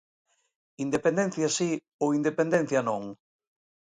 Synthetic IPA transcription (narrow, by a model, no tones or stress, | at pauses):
ind̪epẽnd̪en̟θjasi | oind̪epend̪en̟θjɐnõŋ